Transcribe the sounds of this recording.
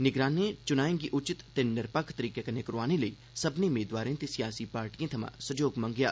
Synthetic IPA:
nɪɡɾaːnet͡ʃʊnaːẽɡiʔʊt͡ʃɪt̪ːenɪɾpəkʰt̪əɾiːkekɐnekəɾaːneləiː | səbnemeːd̪waːɾẽːt̪esɪjaːsiːpaːɾʈijãːt̪ʰɐmã̰ːsəd͡ʒoːɡmə̃ŋɡja̰ː

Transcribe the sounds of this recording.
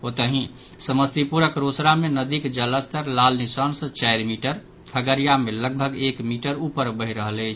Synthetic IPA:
ot̪əɦĩ | səməst̪ipuɾəkɾosɾamenəd̪ikd͡ʒələst̪ʰəɾlalnisənsə̃t͡ʃajɾmiʈəɾ | kʰəɡəɾijameləɡ̚bʱəɡekmiʈəɾupəɾbəɦiɾəɦələt͡ʃʰ

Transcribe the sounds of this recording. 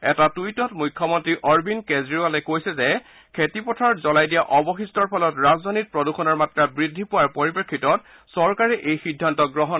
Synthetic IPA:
ɛtatujtɔtmujkʰːɔmɔntɹiʔɔɹbinkezɹialɛkojsɛzɛ | kʰetipɔtʰaɹɔtzɔlajdijaʔɔbɔxistɔɹpʰɔlɔtɹazdʱanit̚pɹɔduxʰɔnɔɹmatɹabɹidʱːipʊwaɹpɔɹipekʰːitɔt̚ | sɔɹkaɹɛʔejxidʱːantɔɡɹɔɦɔn

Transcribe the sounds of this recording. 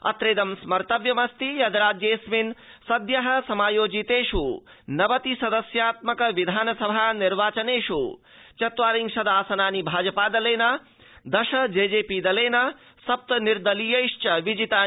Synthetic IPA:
ɐ̰t̪ɾeːd̪ɐmsmɐɾt̪ɐʋjɐmɐst̪ijɐd̪ɾaːd͡ʒjesminsɐd̪jɐɦɐ̆sɐmaːjoːd͡ʒit̪eːʂu | nɐʋɐt̪isɐd̪ɐsjaːt̪mɐkɐʋid̪ʱaːnɐsɐbʱaniɾʋaːt͡ʃɐneːʃu | t͡ʃɐt̪ʋaːɾiŋɡsɐd̪ʱaːsɐnaːnibʱaːd͡ʒɐpaːd̪ɐleːnɐ | d̪ɐʃɐd͡ʒeːd͡ʒeːpid̪ɐleːnɐ | sɐp̚t̪ɐniɾd̪ɐlijɐjʂt͡ʃɐʋid͡ʒit̪aː

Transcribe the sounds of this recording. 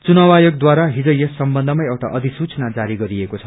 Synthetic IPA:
t͡sunawajoɡ̚d̪waɾaɦid͡zʌ̃jessʌmbʌnd̪ʱʌmajewʈa̰ʔʌd̪ʱisut͡snad͡zaɾiɡʌɾiekot͡sʰʌ̥

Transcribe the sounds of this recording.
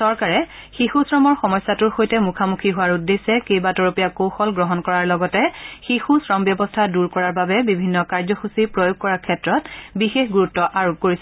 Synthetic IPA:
sɔɹkaɹɛ | xixusɹɔmɔɹxɔmɔjsːatʊɹxojtɛmukʰamukʰiɦʊwaɹudːesɛkejbatɔɹopijakowxɔlɡɹɔɦɔnkɔɹaɹlɔɡɔtɛxixusɹɔmbjɔbɔstʰaduɹkɔɹaɹbabɛbibʱinːɔkaɹzɔxusipɹojoɡ̚kɔɹakʰɛtɹɔtbixexɡuɹutːɔʔaɹok̚koɹisɛ

